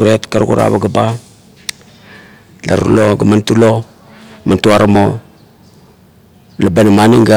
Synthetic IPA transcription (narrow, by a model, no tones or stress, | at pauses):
uɾetkaɾkṵɾa̰baɡaba | la̰ɾṵloɡəmantulo | mantuaɾmo | labanamaniŋɡa